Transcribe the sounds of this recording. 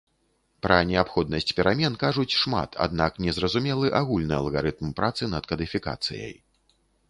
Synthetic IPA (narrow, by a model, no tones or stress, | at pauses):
pɾɐnʲɛapxɔd̪nɐsʲt͡sʲpʲɛɾʔamʲɛnkaʐut͡sʲʂma̰t̪ʰa̰d̪̚naknʲɛzrɐzumʲɛlˠɨʔaɣulʲnɨjɐ̰lˠɣaɾɨt̪mpɾat̪sɨnɐt̪kɐd̪ɨfʲika̰t̪sɨ̰jɐ̰j